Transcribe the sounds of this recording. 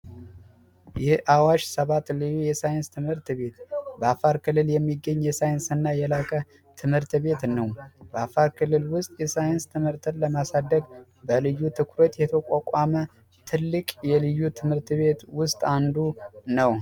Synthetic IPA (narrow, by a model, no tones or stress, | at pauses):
jɛhʔawaʃsəβat̪lɨjːujɛsajɪnst̪ʰɨmhɨɾt̪βe̞t̪bəafaɾkʰɨlːɨljɛmːiɡːəɲːjɛsajɪnsɨnːajɛlakʼə | t̪ʰɨmhɨɾt̪βe̞t̪nəwb̥əafaɾkʰɨlːɨlwʊst̪ʼjɛsajɪnst̪ʰɨmhɨɾt̪ʰɨləmasad̪ːəɡ | bəlɨjːut̪ʰɨkʰɾot̪jɛt̪ʰəkʼakʼamə | t̪ʰɨlːɨkʼjɛlɨjːut̪ʰɨmhɨɾt̪βe̞t̪wʊst̪ʼand̪unəw